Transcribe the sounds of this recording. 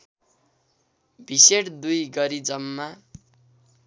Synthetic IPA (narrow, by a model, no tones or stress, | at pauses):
bʱiseʈd̪ujɡʌɾid͡zʌmːa